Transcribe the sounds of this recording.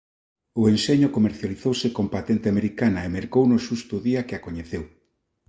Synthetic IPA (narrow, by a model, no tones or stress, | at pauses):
ʊenseɲʊkomeɾθjaliθowsɪkompat̪ent̪ɪameɾikanaemeɾkownʊʃust̪ʊðiakeakoɲeθew